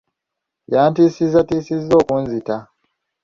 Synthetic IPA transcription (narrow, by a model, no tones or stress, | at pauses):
jaːntisizatisizo̞ːkunzita